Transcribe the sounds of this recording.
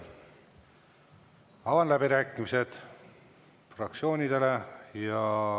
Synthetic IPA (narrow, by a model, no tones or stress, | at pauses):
ɑvɑnlæbiɾæːkːˑimise̞d̪̥ | frɑk̚t̪sio̞ːnʲid̪̥e̞le̞jɑ